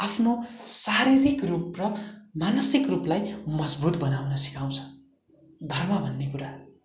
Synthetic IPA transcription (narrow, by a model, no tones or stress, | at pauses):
apʰnosaɾiɾikrup̚rʌmanʌsikruplajmʌd͡zbut̪bʌnawnʌsi̥kaw̃t͡sʰʌ̥ | d̪ʱʌrmʌbʱʌnːekuɾa